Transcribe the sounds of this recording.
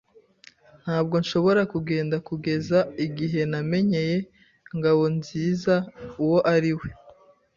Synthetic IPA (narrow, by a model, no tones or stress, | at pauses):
n̥haːb̚ɡo̞nʃo̞βo̞ɾakuɡe̞ːndakuɡe̞zaiɡiɦe̞name̞ɲe̞je̞ | ŋɡawo̞nziːzauwo̞ʔaɾiwe̞